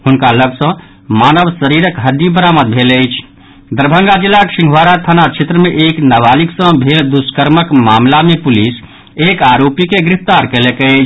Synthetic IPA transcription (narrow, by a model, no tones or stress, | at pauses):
ɦʊnkaləbsə̃ | maːnəʋsəɾiɾəkɦəd̪ibəɾaːməd̪̚bʱeːlət͡ʃʰ | d̪əɾbʱə̃ŋɡad͡ʒilːakʃɪ̃ŋɡʱʋaːɾat̪ʰanat͡ʃʰet̪ɾəmẽʔeːknəʋaːliksə̃bʱeːld̪uskəɾməkmaːmlamepʊlis | eːkaːɾoːpikeɡɾɪft̪aːɾkelekət͡ʃʰ